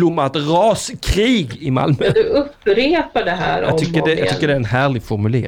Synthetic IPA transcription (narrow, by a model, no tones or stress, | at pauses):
lʊmːat̪ɾɑːskʰɾiːɡɪma̰lmœd̪ɵɵpːɾeːpaɖɛɦæ̰ːɾɔɑ̰ɡt̪ʏkːədɛj̰ɡt̪ʏkːəɖɛæɾɛnɦæːɭɪɡfɔɾmʉlḛː